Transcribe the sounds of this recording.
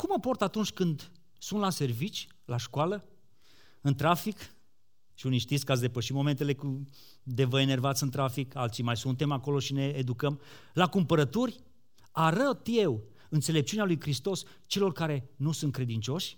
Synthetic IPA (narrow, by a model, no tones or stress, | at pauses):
kumːəpo̞rt̪at̪unt͡ʃʲkɨnd̪ | sunt̪lase̞rvit͡ʃʲ | laʃkwalə | ɨnt̪ɾafik | ʃiunijʃt̪it̪skat̪s̬d̪e̞pəʃimo̞me̞nt̪e̞le̞ku | d̪evəene̞rvat̪sɨnt̪ɾafikalt̪sijmajsunt̪e̞mako̞lo̞ʃine̞ːd̪ukəm | lakumpəɾət̪urʲ | aɾət̪je̞w | ɨnt̪se̞le̞p̚t͡ʃunealujkɾist̪o̞s | t͡ʃe̞lo̞rkaɾe̞nusunt̪̚kɾe̞d̪int͡ʃo̞ʃʲ